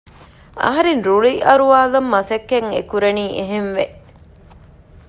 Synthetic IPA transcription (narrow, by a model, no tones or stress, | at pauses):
ɐ̰ɦɐɾenɾuɭiʔɐɾuʋaːlɐmːɐsɐkːeŋḛkuɾeniːʔeɦenʋeʔ